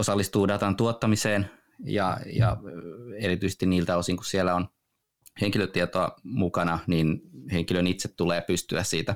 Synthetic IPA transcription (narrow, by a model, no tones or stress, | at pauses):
osɑlːist̪uːdɑt̪ɑnt̪uot̪ːɑmiseːn | jɑ̰jɑ̰ | eɾit̪yise̥st̪iniːlt̪æosiŋkussielːæon | heŋkiløt̪ːiet̪oɑmukɑnɑniːnheŋkilønit̪set̪tuleːpyst̪yæssiːt̪æ